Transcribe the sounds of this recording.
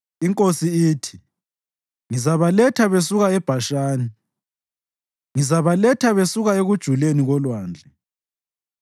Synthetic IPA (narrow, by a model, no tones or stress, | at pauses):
iŋkʼosiiːtʰi̥ | ŋizaβalɛtʰaβesuɣaɛb̥ʱaʃaːni | ŋizaβalɛtʰaβesuɣaeɣud̥ʒ̥ʱuleniɣɔlwaːnd͡ɮʱɛ